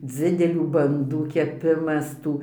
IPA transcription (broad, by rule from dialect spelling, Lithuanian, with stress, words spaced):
ˈd͡zʲɪdʲɛlʲuː bɐnˈduː kʲɛˈpʲɪmɐs ˈtuː